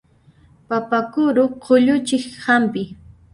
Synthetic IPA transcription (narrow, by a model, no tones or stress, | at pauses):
papakʊɾʊqoʎʊt͡ʃɪkhampɪ